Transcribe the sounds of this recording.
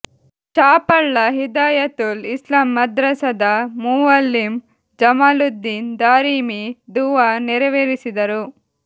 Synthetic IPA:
t͡ʃaːpɐɭːɐɦid̪aːjɐt̪ulislaːmːɐd̪ɾɐsɐd̪ɐmuɐlːim | d͡ʒɐmaːlud̪ːiːnd̪aːɾiːmid̪uʋaːnɛɾɐʋeːɾisid̪ɐɾu

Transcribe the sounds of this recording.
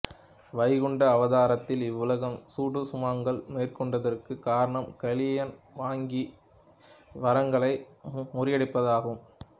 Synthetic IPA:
ʋɐɪɣɯɳɖɐːʋɐðaːɾɐt̪ːɪlɪʋːʊlɐɣɐmsuːɽɯsʊmaːŋɡɐɭmeːrkɔɳɖɐðɐrkɯkaːɾɐɳɐmkɐlɪjɐnʋaːŋɡi | ʋɐɾɐŋɡɐɭɐɪ | mʊrɪjɐɽɪpːɐðaːɣɯm

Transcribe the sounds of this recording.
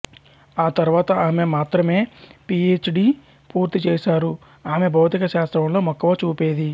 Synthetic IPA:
aːt̪ɐɾuʋaːt̪ɐaːme̞maːt̪ɾɐme̞ːpieːt͡ʃɖiː | puːɾt̪it͡ʃɛːʃaːɾu | aːme̞bʱɐwt̪ikɐʃaːst̪ɾɐnlo̞ːmɔkːɐʋɐt͡ʃuːpeːd̪i

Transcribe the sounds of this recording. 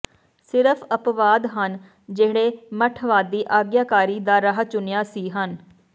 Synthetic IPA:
sɪɾəpʰəpʋaːd̪ɦən | d͡ʒeːɽeːməʈʰʋaːd̪iːʔaːɡjaːkaːɾiːd̪aːɾəɦt͡ʃʊnɪjaːsiːɦən

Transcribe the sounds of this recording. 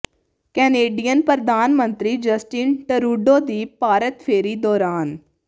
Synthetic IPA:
kɛːneːɖijənpɾəd̪aːnmənt̪ɾiːd͡ʒəsʈiːnʈəɾuːɖoːd̪iːpaːɾət̪pʰeːɾiːd̪ɔːɾaːn

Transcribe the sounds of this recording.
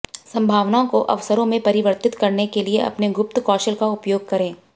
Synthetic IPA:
sɐ̃mbʱaːʋnaõkoʔɐʋsəɾõmẽpɐɾɪʋəɾt̪ɪt̪kɐɾnekelieɐ̰pneɡʊp̚t̪kɔːʃəlkaʊpjoːɡ̚kɐɾẽː

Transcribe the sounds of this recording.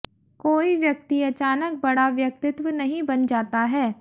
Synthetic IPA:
koːiʋjɐk̚t̪iɐt͡ʃaːnək̚bɐɽaʋjɐk̚t̪ɪt̪wənɐɦĩbɐnd͡ʒaːt̪aɦɛː

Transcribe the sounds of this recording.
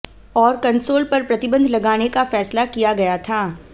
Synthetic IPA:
ɔːɾkɐ̃nsoːlpɐɾpɾɐt̪ɪbə̃nd̪ʱlɐɡaːnekafɛːslakijaɡɐjat̪ʰaː

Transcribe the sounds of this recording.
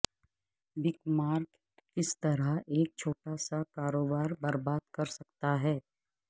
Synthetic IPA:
bɪkmaːɾkː | ɪst̪ɐɾəɦeːk̚t͡ʃʰoːʈasakaːɾoːbaːɾbɐɾbaːd̪̚kɐɾsɐkt̪aɦɛː

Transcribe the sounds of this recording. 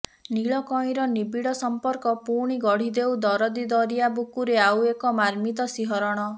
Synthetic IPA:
niɭɔkɔj̃ɾɔnibiɽɔsɔmpɔɾkɔpuɽ̃iɡɔɽ̤id̪ewd̪ɔɾɔd̪id̪ɔɾijabukuɾeawekɔmaɾmit̪ɔsiɦɔɾɔɽ̃ɔ

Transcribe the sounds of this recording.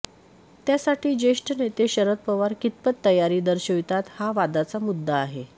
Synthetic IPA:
t̪jasaʈiːd͡ʑeʂʈʰənet̪eɕəɾət̪̚pəʋaɾkit̪̚pət̪ːəjaɾiːd̪əɾɕoʋjt̪at̪haʋad̪at͡samud̪ʱːaːɦe

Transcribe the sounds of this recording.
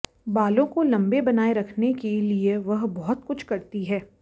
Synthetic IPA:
baːlõkolɐ̃mbebɐnaːeɾɐkʰnekelieʋɐɦbɔɦʊt̪̚kʊt͡ʃʰkɐɾt̪iɦɛː

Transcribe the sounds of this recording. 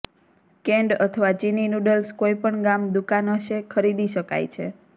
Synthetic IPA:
kɛ̃ɳɖət̪ʰəʋat͡ʃininuɖəlskoipəɳɡamd̪ukanəʃekʰəɾid̪iʃəka̰jt͡ʃʰḛ

